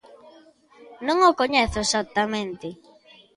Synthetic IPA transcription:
nõŋokoɲɛθʊesat̪ːamẽnt̪ɪ

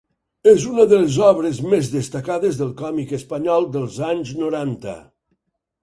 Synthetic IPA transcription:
ezunəðəlezɔβɾezmezðəst̪əkaðezðəlˠkɔmikəspɐɲɔlˠd̪əlˠzaɲznuɾant̪ə̰

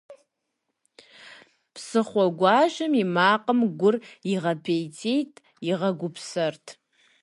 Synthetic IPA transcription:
pʰsɨχʷaɡʷaːʒɨmimaːqʼəmɡʷʊriʁɐpʰejt͡sʰejtʼ | iʁɐɡʷʊpʰsɨrtʼʰ

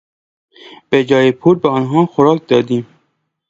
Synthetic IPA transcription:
b̥ed͡ʒɒːjepʰuːɾbeɒːnɦɒːxoɾɒːk̚ʰd̪ɒːd̪iːm

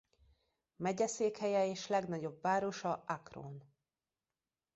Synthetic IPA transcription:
mɛɟɛseːkhɛjɛeːʃlɛɡnɒɟo̞bvaːɾo̞ʃɒakro̰n

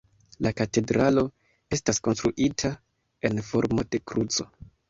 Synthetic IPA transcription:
lakate̞dɾalo̞ | e̞stasko̞nstɾuʔitʰa | e̞nfo̞̰ɾmo̞d̥e̞kɾut͡so̞

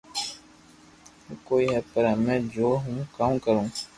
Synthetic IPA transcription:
koːiɦɛpəɾamɛ̃ːd͡ʒoːɦũːkaːmkəɾũː

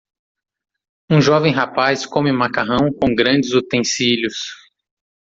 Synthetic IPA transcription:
ũʒɔvẽj̃ɦapajskõmɪmakaɦɐ̃w̃kõw̃ɡɾɐ̃d͡ʒɪzut̪ẽsiljʊs

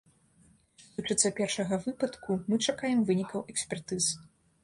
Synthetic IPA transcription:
t̪ɨt͡ʂɨt̪sːɐpʲɛrʂɐɣɐvɨpɐt̪kumɨt͡ʂakajɛmvɨnʲikɐwʔɛksʲpʲɛrt̪ɨz̥

